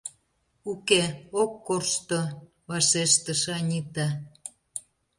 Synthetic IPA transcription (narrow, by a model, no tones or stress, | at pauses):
ukeokːorʃt̪o | βɑʃeʃt̪ə̆ʃɑnʲit̪ɑ